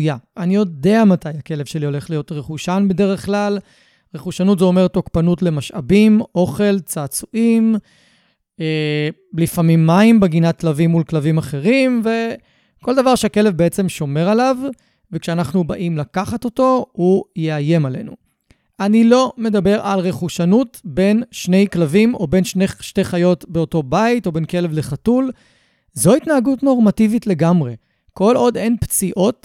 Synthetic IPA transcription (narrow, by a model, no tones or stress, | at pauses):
jaʔanijo̞d̪eamatajake̞le̞vʃe̞lio̞le̞χlijo̞tʁeχuʃanbe̞de̞ʁe̞χklal | ʁeχuʃanutzeome̞ʁt̪o̞kpanutle̞maʃabimʔo̞χe̞lt͡saːt͡suʔim | eblifamimːaimbeɡinat̚klavimːulklavimaχe̞ʁimve̞ | ko̞ld̪avaʁʃeake̞levbeet͡se̞mʃo̞me̞ʁalav | vekʃeanaχnubaʔimlakaχato̞to̞hujeaje̞male̞̰nṵ | ʔanilo̞me̞d̪abe̞ʁalʁeχuʃanutbe̞nʃne̞jklavimo̞be̞nʃneʃteχajo̞tbe̞o̞to̞baito̞be̞nke̞levleχatul | zo̞itnaaɡutno̞ʁmativitle̞ɡamʁe̞ | ko̞lo̞d̪e̞npt͡siʔo̞t